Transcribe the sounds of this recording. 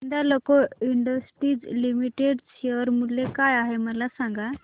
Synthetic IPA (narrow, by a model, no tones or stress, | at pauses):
ənd̪alokɔiɳɖəsʈɾiːd͡zlimiʈeɖseʋəɾmulːekajaɦeməlasaŋɡa